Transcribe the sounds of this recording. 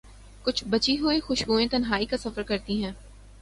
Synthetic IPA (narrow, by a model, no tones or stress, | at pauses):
kʊt͡ʃʰbɐt͡ʃiɦʊixʊʃɡuːẽt̪ɐnɦaːikasɐfəɾkɐɾt̪iɦɛ̃ː